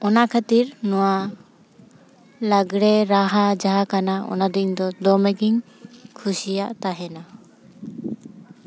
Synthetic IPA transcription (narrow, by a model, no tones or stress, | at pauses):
ɔnaʔkʰat̪iɾnɔwa | laɡɽɛɾaɦad͡ʒaɦakanaɔ̰nad̪id̪ɔd̪ɔmɛɡiŋ | kʰusijaʔt̪aɦɛna